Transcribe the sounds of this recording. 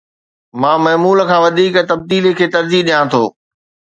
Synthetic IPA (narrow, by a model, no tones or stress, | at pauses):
mãːmɐːmuːləkʰãːʋɐd̪ʱiːkət̪ɐb̚d̪iːlekʰeːt̪ɐɾd͡ʑiːɦɗijãt̪ʰoː